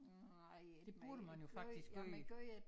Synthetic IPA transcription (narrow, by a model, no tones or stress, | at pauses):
d̥e̝b̥uɐɾ̥əmænjo̝fɑ̈ɡd̥isɡ̥ɡ̥øj